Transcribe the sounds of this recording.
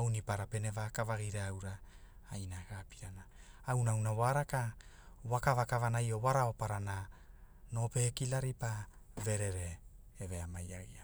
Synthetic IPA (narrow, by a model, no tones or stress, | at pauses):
awnipaɾape̞nevakavaɡiɾaːwɾa | ajnaɡapiɾana | awnawnawaɾaka | wakavakavanajo̞waɾao̞paɾana | no̞pe̞kilaɾipa | ve̞ɾe̞ɾe̞ː | ve̞amajaɡia